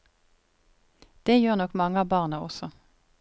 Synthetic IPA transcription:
d̪̥eːjøːʁnɔkmɑŋɑbɑːʁnəɔsɔ

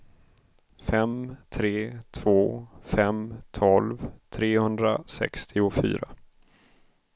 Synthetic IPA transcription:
fɛmt̪ʰɾeːt̪ʰv̥oːfɛmt̪ʰɔlvt̪ʰɾeːhɵnd̪ɾasɛ̰kst̪ʰɪʊfy̰ːɾa

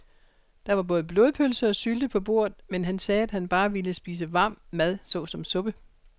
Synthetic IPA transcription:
d̥ɑ̈ʋɑ̈b̥ɔ̽ːðˠəb̥lo̝ːð̞ˠpʰølsəɒ̽syld̥əpʰɒ̽b̥o̝ɐ̰ð̩ˠmenɦænsɛːæd̥hænb̥ɑ̈ːʋiləsb̥iːs̬əʋɑ̈ːm̰ːæð̞ˠsɔ̽ːsɒ̽msɔ̽b̥ə

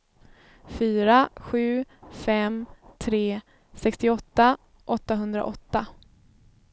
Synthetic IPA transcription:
fyːɾaɧʉ̟ːfɛmt̪ʰɾeː | sɛkst̪ɪɔt̪ːa | ʔɔt̪ːaɦɵnd̪ɾa̰ʔɔt̪ːa

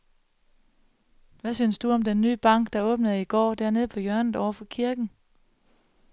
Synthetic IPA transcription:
ʋæsyːnsd̥uɒ̽md̥enːy̰ːb̥ɑ̈ŋ̰ɡ̥̚d̥ɑ̈ɔ̽ːb̥nəð̩ˠiɡ̥ɒ̰ːd̥æɐ̰ne̝ð̞̩ˠpʰɒ̽jœɐnð̩ˠɒʊɐfɒ̽kʰiɐɡ̥n̩

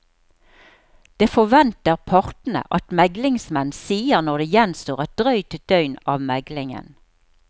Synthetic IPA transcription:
d̪̥eːfɔʋɛnt̪əʁpʰɑʁt̪n̩ə̰ʔɑt̪mɛɡlɪŋsmɛnsiːəʁnɔʁd̪eːjɛnst̪oːʁɛt̪̚d̪ʁœʏt̪d̪̥œʏnɑːʋmɛɡlɪŋə̰n

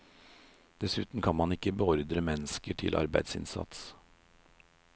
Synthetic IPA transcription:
d̪̥ɛsʉːt̪n̩kʰɑnmɑnɪkːəbəɔɾd̪ɾəmɛnəskəʈʰɪ̰lʔɑ̰ɾbæɪd̪sɪ̰nsɑ̰t̪s

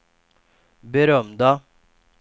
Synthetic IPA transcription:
bəɾœmd̪ɑ

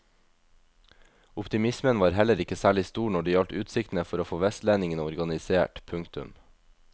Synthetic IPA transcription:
ʊpt̪ɪmɪsmənʋɑːɾhɛləɾɪkəsæːɭɪst̪uːɳɔɖiːɑlʈʉːt̪sɪkt̪n̩əfɔɾoːfoːʋɛst̪læːnɪŋənəɔɾɡɑnɪseːʈpʰʉŋkt̪ʉ̰m

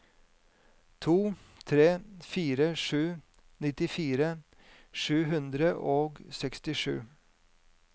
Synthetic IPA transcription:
t̪ʰuː | t̪ʰɾeːfiːɾəʂʉː | nɪt̪ɪfiːɾə | ʂʉːɦʉnd̪ɾəʔoːɡsɛkst̪ɪʂʉ̰ː

